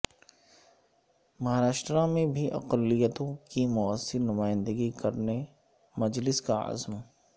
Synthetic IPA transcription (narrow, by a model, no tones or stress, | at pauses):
mɐɦaɾaːʃʈɾãmẽbʱiʔɐ̰qəlːijət̪õkimʊəsːɪɾnʊmaːɪ̃nd̪əɡikɐɾne | mɐd͡ʒlɪskaɐ̰zm